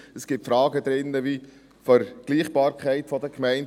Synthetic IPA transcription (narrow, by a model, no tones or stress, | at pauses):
əsɡ̥ɪptfɾɑːɡəd̪ɾɪnːəvi | fəɾɡ̥liːχb̥ɑːɾkχæɪtfɔd̥̪əkʰmɛɪn